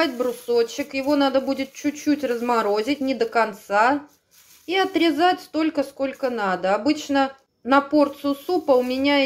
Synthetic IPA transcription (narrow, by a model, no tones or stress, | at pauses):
tʲbɾʊso̞t͡ɕːɪkjɪvo̞nad̪əbudʲɪt̪̚t͡ɕʊt͡ɕːutʲrəzmɐɾo̞zʲɪtʲnʲɪd̪əkɐnt̪sa | iɐt̪ɾʲɪzatʲst̪o̞lʲkəsko̞lʲkənad̪əɐbɨt͡ɕnə | nɐpo̞rt̪sɨsupəʊmʲɪnʲa